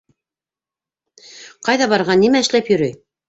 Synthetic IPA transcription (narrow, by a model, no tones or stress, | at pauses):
qɑjðɑβɑɾʁɑnimæɘ̆ʃlæpjɵ̆ɾɘj